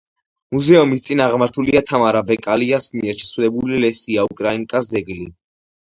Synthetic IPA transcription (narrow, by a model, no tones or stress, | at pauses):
muzɛumist̪sʼinaʁmaɾt̪ʰuliat̪ʰamaɾabɛkʼaliasmiɛɾʃʰsʰwlɛbulilɛsiaukʼɾainkʼasɛɡli